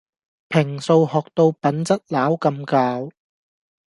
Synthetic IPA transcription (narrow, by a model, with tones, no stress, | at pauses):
pʰɪ˨˩ŋso˧whɔː˨k̚t̪o˧wpɐ˨˥nt͡sɐ˥t̚laː˨˥wkɐ˧mkaː˧w